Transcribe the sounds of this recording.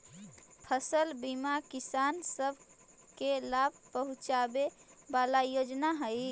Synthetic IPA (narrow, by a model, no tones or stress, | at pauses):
pʰəsəlbimakisansəbʱ | kelab̚ʱpəɦut͡ʃabebalajod͡ʒnaɦəj